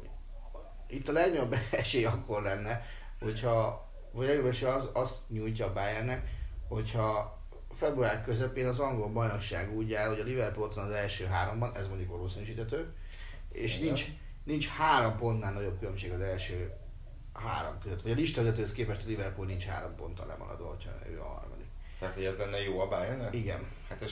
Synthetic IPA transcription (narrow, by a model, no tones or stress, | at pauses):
it̪ːɒlɛɡɲoobɛʃejɒkːo̞rlɛnːɛ | ho̞chɒ | vɒjɛɡoɾøʃɛɒzɒst̪ɲuːjc̬ɒːbajɛrnɛkho̞chɒ | fɛbruaːrkøzɛpeːnɒzɒŋɡo̞lbɒjnokʃa̰ːɡuːɟːaːlho̞ɟɒlivɛrpulot̪ʋɒnɒzɛlʃøːɦaːɾo̞mbɒnɛzmoɲɟukʋɒloːsinyːʃiːt̪hɛt̪øː | ḛːʃnint͡ʃ | nint͡ʃhaːɾompo̞nt̪naːlnɒɟo̞p̚kylømʃeːɡɒzɛlʃøː | ha̰ːɾo̰mkøzøt̪ʋɒɟɒliʃt̪ɒʋizɛt̪øːhøskeːpɛʃt̪ɒlivɛrpulnint͡ʃha̰ːɾompo̞̰nt̪ɒ̰lːɛ̰mɒ̰ɒ̰d̪ʋɒ̰ho̞̰cʰhɒ̰n̰ø̰ːɦɒ̰rmɒ̰d̪ik | t̪ɛat̪ho̞ɟɛzlɛnːɛjoːɒbaːjɛrnɛiɡɛ̰n | hat̪ː